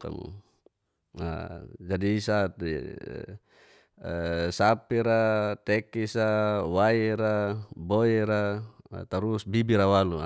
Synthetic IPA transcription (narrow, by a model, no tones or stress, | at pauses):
ka̰m̰ | a̰d͡ʒadiːsa̰ | sapiɾat̪ɛkisawajiɾaboeɾa̰t̪aɾusbibiɾawalu